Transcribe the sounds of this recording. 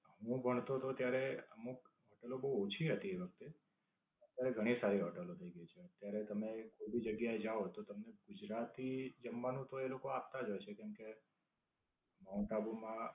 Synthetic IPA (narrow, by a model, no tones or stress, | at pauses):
ɦũbʱəɳ̃t̪ot̪ot̪jaɾeəmukɦɔʈəlobəot͡ʃʰiɦət̪ieʋək̚t̪e | ət̪jaɾeɡʱəɽ̃isaɾiɦɔʈəlot̪ʰəiɡəit͡ʃʰeət̪ːjaɾet̪əmekʰobid͡ʒəɡjaed͡ʒaot̪ot̪əmneɡʊd͡ʒɾat̪id͡ʒəmʋanũt̪oelokoap̚t̪ad͡ʒojt͡ʃʰekɛmke | maũʈabumã